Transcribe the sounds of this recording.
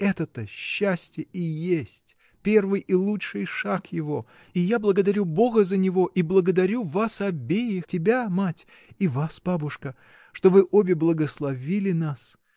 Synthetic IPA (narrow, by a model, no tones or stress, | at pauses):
ɛt̪ət̪əɕːæsʲtʲjəijesʲtʲ | pʲe̞rvɨjʔilˠutɨjʂakjɪvo̞ | ijablˠəɡəd̪ɐɾʲubo̞ɡəzənʲɪvo̞ʔiblˠəɡəd̪ɐɾʲuvasɐbʲejɪxtʲɪbʲamatʲ | ivasbabʊʂkə | ʂt̪o̞vɨʔobʲɪblˠəɡəslˠɐvʲilʲɪnas